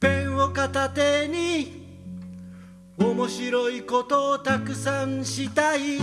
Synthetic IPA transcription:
pẽɰ̃okat̪at̪eɲ̟i | omo̞ɕiɾo̞ikot̪o̞ːt̪akɯ̟sãñɕit̪ai

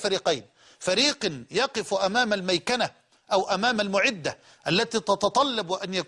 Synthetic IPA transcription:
faɾiːqajn | faɾiːqjɑqɪfʔamaːmalmajkana | ʔawʔamaːmalmʊʕɪd̪ːa | ʔalːat̪iːt̪ɑt̪ɑt̪ˤɑlːɑbwʔanjak

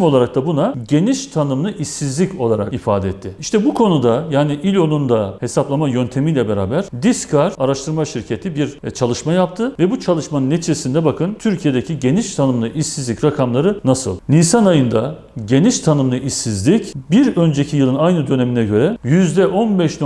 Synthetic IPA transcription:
mo̞lˠaɾak̚t̪ʰabunaɟe̞niʃt̪ʰanɯmlˠɯʔisːizlʲico̞lˠaɾa̰kifaːd̪ɛɛt̪ʰːɪiʃt̪ʰɛbukʰo̞nud̪ajaːniʔilʲo̞nund̪ahe̞saplˠamajø̞nt̪ʰe̞mijlʲɛbeɾa̰ːbæɾ̥d̪iskʰaɾaɾaʃt̪ʰɯɾmaʃiɾcʰe̞t̪ʰibiɾt͡ʃʰalˠɯʃmajap̚t̪ʰɯvɛbut͡ʃʰalˠɯʃmanɯnːet͡ʃʰiezsind̪ɛbakʰɯnt̪ʰyɾcʰije̞d̪ecʰiɟe̞niʃt̪ʰanɯmlˠɯʔisizlʲicɾakʰamlˠaɾɯnasɯ̰lˠnisanajɯnd̪a | ɟe̞niʃt̪ʰanɯmlˠɯʔisːizlʲicbiɾø̞nd͡ʒe̞cʰijɯlˠɯnajnɯd̪ø̞ne̞minɛɟø̞ɾɛjyzd̪ɛʔo̞nbɛʃn

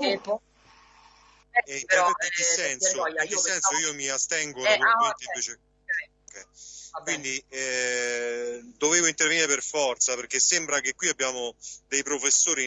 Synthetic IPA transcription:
ɛp | ɛint̪eɾeekesːɛnssoakːesːɛnsoiːomiast̪ɛŋɡoikent̪eiɱveːt͡ʃe | okɛjkwind̪i | d̪oveːvoint̪eɾrveniɾeperfɔrt̪sapeɾk̟esːembɾak̟ekwiabːjaːmod̪ejpɾofesːoːɾi

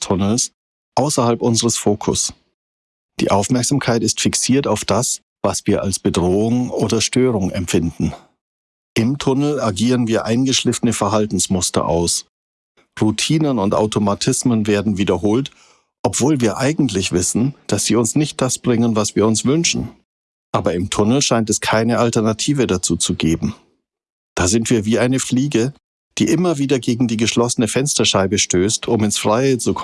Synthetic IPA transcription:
tʰʊnl̩s | ʔaʊsɐhalpʔʊnzəʁəsfoːkʰʊ̰s | d̥ḭːʔaʊfmɛɐkz̥amkʰaɪtɪstfiksiːɐtaʊfd̥as | v̥asv̥iːɐʔa̰lsb̥ədʁoːʊŋʔoːdɐʃtøːʁ̞ʊŋɛmfɪndn̩ | ʔɪmtʰʊnl̩aɡiːʁənviːɐʔaɪnɡəʃlɪftənəfɛɐɦaltn̩smʊstɐ̰ʔa̰ʊs | ʁutʰiːnənʊnta̰ʊtʰomatʰɪsmənveːɐdn̩viːdɐɦoːlt | ʔɔpv̥oːlviːɐʔaɪɡŋ̩tlɪçv̥ɪsn̩d̥asz̥iːʊnsnɪçt̚d̥asb̥ʁɪŋənvasv̥iːɐʊnsv̥ʏnʃn̩ | ʔaːbɐɪmtʰʊnl̩ʃaɪntɛskʰaɪnəʔaltɛɐnatʰiːvədat͡suːt͡suɡeːbm̩ | d̥aːzɪntv̥iːɐviːʔaɪnəfliːɡə | d̥iːʔɪmɐviːdɐɡeːɡŋ̩diːɡəʃlɔsənəfɛnstɐʃaɪbəʃtøːstʰʊmɪnsfʁ̥aɪət͡suk

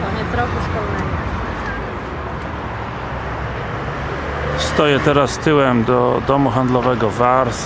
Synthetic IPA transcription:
kɔɲɛt̪sɾɔkuʂkɔlnɛɡɔ | st̪ɔjɛt̪ɛɾast̪ɘwɛmd̪ɔd̪ɔmuxand̪lɔvɛɡɔvaɾs

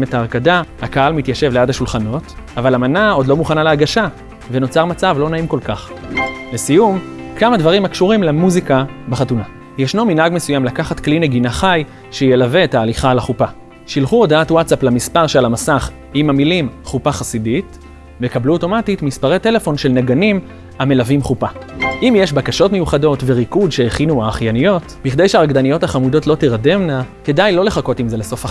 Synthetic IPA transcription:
metaːʁkadahakaalmitjaʃe̞vleadaʃulχano̞tavalamanao̞dlo̞muχanaleaɡaʃa | veno̞t͡saʁmat͡savlo̞naimko̞lkaχbesijumkʰamadvaʁimakʃuʁimlemuzikabeχatuna | jeʃnominaɡme̞sujamlakaχatkline̞ɡinaχaj | ʃejelaveetaːliχalaχupa | ʃilχuo̞daatwatsaplamispaʁʃealamasaχ | imamilimχupaχasidit | vekabluo̞to̞matitmispaʁe̞te̞le̞fo̞nʃelneɡanim | ame̞lavimχupaʔimjeʃbakaʃo̞tme̞juχado̞tve̞ʁikudʃeːχinuaːχjanijo̞tbiχd̪e̞jʃeaʁaɡdanijo̞thaχamudo̞tlo̞tiʁade̞mnake̞dajlo̞le̞χako̞timze̞leso̞fa

